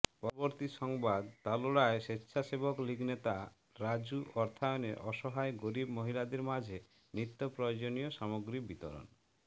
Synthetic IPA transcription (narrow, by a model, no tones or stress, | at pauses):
pɔɾɔboɾt̪iʃɔŋbad̪t̪aloɽaeʃetːʃʰasebokliɡnet̪a | ɾad͡ʒuʔɔɾt̪ʰajɔnḛɾʔɔʃɔɦaeɡoɾibmoɦilad̪eɾmad͡ʑʱe | nit̪ːopɾɔjod͡ʒonijoʃamoɡɾibit̪o̰ɾo̰n